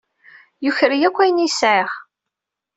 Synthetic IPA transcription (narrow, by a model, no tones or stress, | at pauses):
jʊçɾijækʷːæjənisʕiʁ